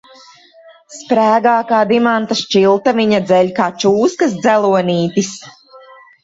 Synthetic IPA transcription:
spɾæːɡaːkaːd̪imant̪aʃt͡ʃilˠt̪aviɲad̪zɛlʲkaːt͡ʃuːskɐsd̪zælˠuɔniːt̪is

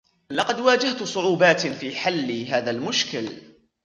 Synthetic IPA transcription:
lɑqɑd̪waːd͡ʒaht̪ʊsˤʊʕuːbaːt̪fiːħalːɪɦaːðalmʊʃkɪl

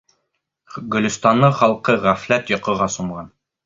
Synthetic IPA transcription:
ɡɵ̆lʲɵ̆st̪ɑnːɤχɑlˠqɤʁæflæt̪jɒ̆qɤ̆ʁɑsŭɴʁɑn

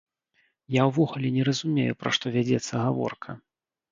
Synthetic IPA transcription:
jawvɔɣulʲɛnʲɛɾɐzumʲejupɾa̰ʂt̪ɔvʲad͡zʲɛt̪sːɐɣavɔ̰rkʰɐ

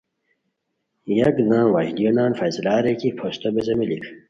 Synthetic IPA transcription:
jɐkd̪ãːwajlijonaːnfɐjzlaːɾekipʰost̪obezɐmilik

